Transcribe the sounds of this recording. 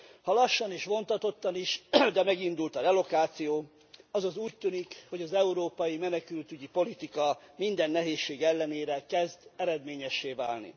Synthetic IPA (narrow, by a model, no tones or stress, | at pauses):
hɒlɒʃːɒniʃʋo̞nt̪ɒt̪o̞t̪ːɒniʃd̪ɛmɛɡind̪ult̪ɒɾɛlo̞kaːt̪sijoː | ɒzɒzuːc̚t̪ynikho̞ɟɒzɛuɾoːpɒjimɛnɛkylt̪yɟipo̞lit̪ikɒmind̪ɛnːɛɦeːʃːeːɡɛlːɛneːɾɛkɛzd̪ɛɾɛd̪meːɲɛʃːeːva̰ːlnḭ